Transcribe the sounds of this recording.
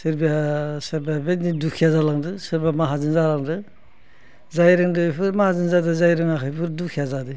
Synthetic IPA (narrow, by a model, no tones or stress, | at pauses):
sɯɾbijaseɾbabetnidukʰijazalaŋdɯsɯɾbamaɦazɯnzalaŋdɯ | zajɾɯŋdɯpʰɯɾmahazɯnzadɯzajɾɯŋakʰajpʰɯɾdukʰijazadɯ